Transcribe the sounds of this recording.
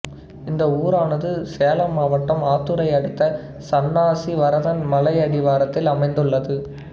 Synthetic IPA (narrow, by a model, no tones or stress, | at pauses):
ɪnd̪ɐuːɾaːnɐðɯseːlɐmaːʋɐʈːɐmaːt̪ːɯɾɐɪɐɽɯt̪ːɐ | sɐnːaːsiʋɐɾɐðɐnmɐlɐɪɐðɪʋaːɾɐt̪ːɪlɐmɐɪnd̪ɯɭːɐðɯ